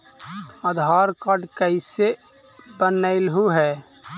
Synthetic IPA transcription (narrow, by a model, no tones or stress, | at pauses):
əd̪ʱaːɾkəɖkəɪse | bənəɪlɦuɦɛː